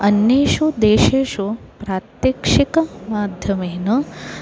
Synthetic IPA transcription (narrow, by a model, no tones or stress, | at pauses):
ɐnjeːʃud̪eːʃeːʃupɾaːt̪jɐkʂikɐmaːd̪ʱjɐmeːnɐ